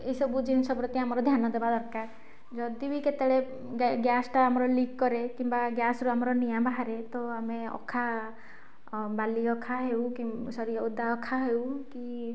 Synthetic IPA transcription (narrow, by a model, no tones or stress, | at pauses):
esɔbud͡ʒinsɔbɾɔt̪iamɔɾɔd̪ʱjanɔd̪ebad̪ɔɾka | d͡ʒɔd̪ibiket̪eɭe | ɡjasʈaːmɔɾɔlikːɔɾekimbaɡjasɔɾuamɔɾɔnijabʱaɦaɾet̪ɔameɔ̰kʰa | baliɔkʰaɦewkisɔɾiɔud̪aɔkʰaɦewki